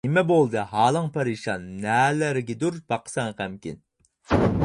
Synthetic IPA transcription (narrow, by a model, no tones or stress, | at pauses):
nɪmɛbolˠd̪ɨɦɑːlˠəŋpʰɑɾiʃɑnːæːlæɾɡʲɛd̪uɾbɑqʰə̥sɑŋqæmkʲḭn